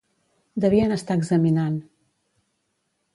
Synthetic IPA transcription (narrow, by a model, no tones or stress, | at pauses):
d̪əβiənəst̪aəɡzəminan